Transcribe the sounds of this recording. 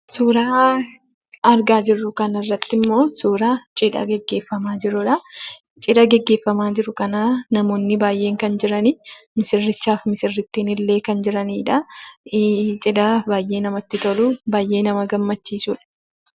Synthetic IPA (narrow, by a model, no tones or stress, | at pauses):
suːɾaː | ɐɾɡaːd͡ʒɪrːʊkɐnɪrːɐt̪ːɪmːo̞ːsuːɾaːt͡ʃʼɪᶑɐ̰ɡɛɡːeːfːɐmaːd͡ʒɪɾʊᶑɐ | t͡ʃʼɪᶑɐɡɛɡːe̞ːfːɐmaːd͡ʒɪɾʊkɐnaːnɐmo̞ːnːɪbaːjʔːe̞ːŋkɐnd͡ʒɪɾɐnimɪsɪrːɪt͡ʃːaːfmɪsɪrːɪt̪ːiːnɪlːe̞ːkɐnd͡ʒɪɾɐniːᶑɐ | t͡ʃʼɪᶑɐbaːjʔe̞ːnɐmɐt̪ːɪt̪ɐlʊbaːjʔe̞ːnɐmɐɡɐmːɐt͡ʃːiːsuːᶑɐ̥